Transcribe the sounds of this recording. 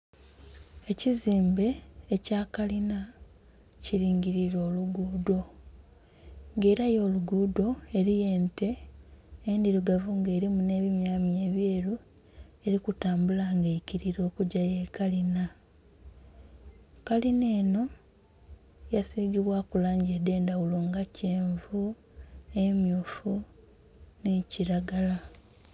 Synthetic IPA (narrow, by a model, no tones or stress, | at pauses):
e̞ciziːmbe̞ːcaːkalina | ciɾiːŋɟiɾiɾo̞ːluɡuːdo̞ | ŋɡe̞ːɾajo̞ːluɡuːdo̞e̞ɾije̞ːnte̞ | endiɾuɡavuŋɡe̞ːɾimune̞ːβimjaːmje̞ːβjeːɾu | e̞ɾikutaːmbulaŋɡeiciɾiɾo̞ːkuɟajekalina | kaline̞ːno̞ | jasiɡiβwakulaːɲɟede̞ːndawuluŋɡaceːɱvu | emjuːfu | neciɾaɡala